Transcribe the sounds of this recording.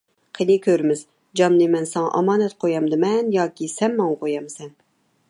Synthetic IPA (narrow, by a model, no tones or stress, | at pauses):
qʰenɪkʲʰøɾmɪz | d͡ʒɑmnɨmɛnsɛŋɑ̰ʔɑmɑːnɛt̪qʰojɑmd̪ɨmɛnjɑːkʲisɛmːɑŋqʰojɑmsɛn